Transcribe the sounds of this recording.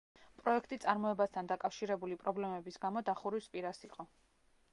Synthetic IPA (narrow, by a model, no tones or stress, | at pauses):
pʼɾɔɛkʰt̪ʼit̪sʼaɾmɔɛbast̪ʰand̪akʼafʃiɾɛbulipʼɾɔblɛmɛbisɡamɔd̪aχuɾispʼiɾasiqʼɔ